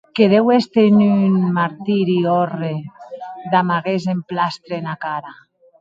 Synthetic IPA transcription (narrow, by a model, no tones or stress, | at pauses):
keðewest̪enynmaɾt̪iɾiore | d̪amaɣezemplast̪ɾenakaɾa